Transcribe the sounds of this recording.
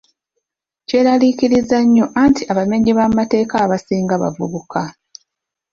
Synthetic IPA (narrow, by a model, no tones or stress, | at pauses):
ce̞ːɾaliciɾizaɲːo̞ʔaːntʰiʔaβameːɲiβammate̞ːkaːβasiːŋɡaβa̰vuβuka